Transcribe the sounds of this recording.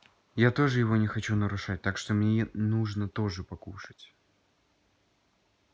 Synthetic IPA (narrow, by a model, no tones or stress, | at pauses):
jat̪o̞ʐɨjɪvo̞nʲɪxɐt͡ɕunəɾʊʂat̚ʲt̪akʂt̪o̞mnʲenuʐnət̪o̞ʐɨpɐkuʂɨ̥tʲ